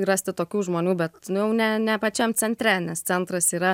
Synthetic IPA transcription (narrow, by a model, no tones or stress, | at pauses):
ɾɐsʲt̪ʲɪt̪oːkʲuːʒmoːnʲuːbʲɛt̪njɛʊnʲɛnʲɛpɐt͡ʃʲɛmt͡s̪ʲɛnʲt̪ʲɾʲɛnʲɛst͡s̪ʲɛnt̪ɾɐsiːɾɐ